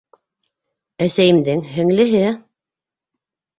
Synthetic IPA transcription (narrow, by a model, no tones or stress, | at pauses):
æsæjɘ̆md̪ɘŋɦɘ̆ŋlɘ̆ɦɘ